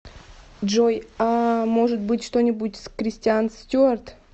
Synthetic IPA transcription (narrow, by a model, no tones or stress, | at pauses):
d͡ʒojamoʐɨt̪̚bɨtʲʂt̪onʲɪbutʲskɾʲɪsʲtʲɪanstʲuart̪